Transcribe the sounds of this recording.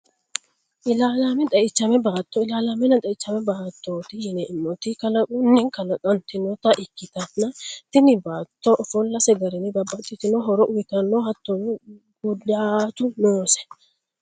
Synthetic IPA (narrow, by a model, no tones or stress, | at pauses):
ʔɪlaːlamɛt̪ʼɐʔɪt͡ʃːɐmɛbaːt̪ːoɪlaːlamɛnɐt̪ʼɐɪt͡ʃːɐmɛbaːt̪ːoːt̪ɪjɪnɛʔɪnːɔt̪ɪkɐlɐkʼʊnːɛŋkɐlɐkʼɐnt̪ɪnɔt̪ɐʔɪkːɪt̪ɐnɐt̪ɪnɪbaːt̪ːoʔɔfɔlːɐsɛɡɐɾɛnɪbɐbɐt̪ʼːɪt̪ɪnɔɦɔɾɔʔʊwɪk̪ɐnːohɐt̪ːon | ɡʊd̪aːt̪ʊnoːsɛ̥